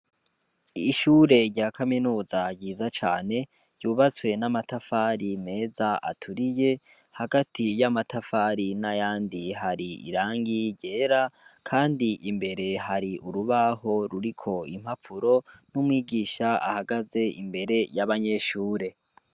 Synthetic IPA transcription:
iʃuːɾe̞ɾɟaːkʰaminuːzaɟɟiːzat͡ʃa̰ːne̞ | juːβat͡swe̞namatafaɾime̞ːzaʔa̰tʰuɾije̞ | haɡatʰijamatafaːɾinajaːndiɦaɾiḭɾaːŋɡiɾɟe̞ːɾakʰaːndiʔimbe̞ɾe̞haɾiuɾuβaɦo̞ɾuɾikʰo̞im̥hapʰuɾo̞numwiːɡiːʃaa̰haɡaze̞ḭmbe̞ɾe̞jaβaɲe̞ʃuːɾe̞

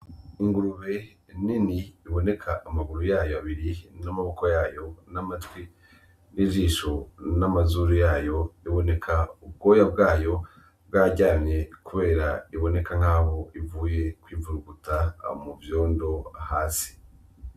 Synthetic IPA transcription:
iŋɡuɾuβe̞ | niniiβo̞ne̞kʰaʔːmaɡuɾujaːjoaβiɾinamaβo̞ko̞jaːjo̞namatwi | niʒiːʃonamazuɾujaːjo̞iβo̞ne̞kʰaub̚ɡo̞ːjabɡaːjo̞ | bɡaːɟaːmɲe̞kuβe̞ːɾaiβo̞ne̞kaŋ̥aːβo̞ivuːje̞kwiːvuɾuɡutamuvjo̞ːndo̞ahaːsi̥

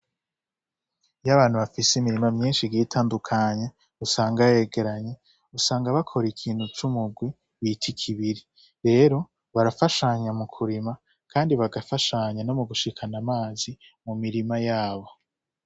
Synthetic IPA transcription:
jaβaːnhuβafisimiɾimamɲiːnʃiɡiːtʰaːndukʰaɲe̞ | usaːŋɡaje̞ɡe̞ɾaɲe̞ | usaːŋɡaβakʰo̞ɾikʰiːnhut͡ʃumuɡwi | βitʰikʰiβiɾi | ɾe̞ːɾo̞ | βaɾafaʃaɲamukʰuɾima | kʰaːndiβaɡafaʃaɲano̞muɡuʃikʰanamaːzi | mumiɾimajaːβo̞

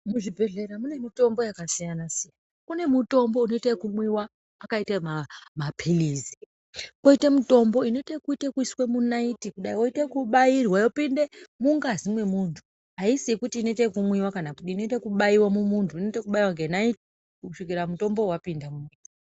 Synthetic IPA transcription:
muʐibʱe̞ɮe̞ɾamune̞mito̞mbo̞jakasijanasijanaakune̞muto̞mbo̞uno̞itekumwiwaː | kaitamamapʰilizi̥ | ko̞itemuto̞mbo̞ino̞itekuitekuiswe̞munaitikuɗaiwoitekuɓairwajopindemuŋɡazimwe̞muntʰu̥ | ɦaisikutiːnoitekumwiwakanakuɗiːno̞itekuɓaiwamumuntʰuinoitekuɓaiwaŋɡenaiti | kuʂik̬iramuto̞mbo̞wapindamua

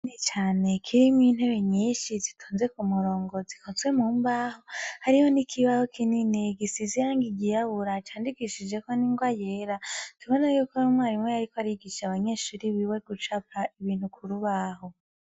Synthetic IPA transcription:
nit͡ʃaːne̞kʰiɾimin̥he̞ɾe̞ɲiːʃizitʰuːnze̞kumuɾo̞ːŋɡo̞zikʰozwe̞muːmbaho̞haɾiho̞nikʰiβaho̞kʰinineɡisizijaːŋɡiɡijaβuɾat͡ʃaːndikiʃid͡ʒe̞koniŋɡwajeɾatuβo̞najuːkoumwaːɾimwejaɾikoaɾiɡiʃaβaɲe̞ʃuɾiβiwe̞ɡut͡ʃapaiβiːn̥hukʰuɾuβaho̞

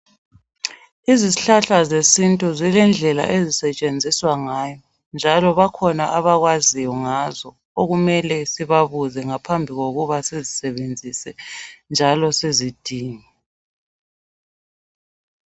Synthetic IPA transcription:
iziziɬaɬazesintʼuzilɛnd͡ɮʱɛla̰ʔezisɛt͡ʃʼend͡zʱiswaŋaːjɔ | nd͡ʒʱalɔβakʰɔnaʔaβaɣwazijɔŋazɔ | oɣumɛlɛsiβaβuzɛŋapʰambʱiɣoɣuβasezisɛβend͡zʱisɛnd͡ʒʱalɔsezid̥ʱiːŋɛ

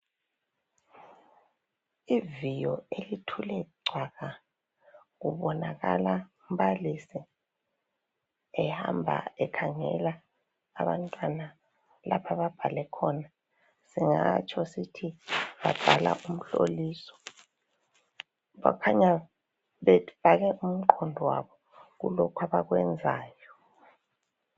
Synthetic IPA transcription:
ivijɔelitʰulɛɡ͡ǀʱwaɣa | ɣuβɔnaɣa̰laum̩balisi | ɛha̰mbʱa̰ɛkʰaŋɛ̰laː | βa̰ntʼwana | lapʰaβab̥ʱalɛkʰɔna | siŋat͡ʃʰʼɔsitʰiβab̥ʱala̰ʔum̩ɬo̰liːsɔ̥ | βakʰaɲa | βɛfaɣɛʔum̩ǃʰɔndʱwa̰βɔ | ɣṵlɔkʰwaβaɣwɛnd͡zʱaːjɔ

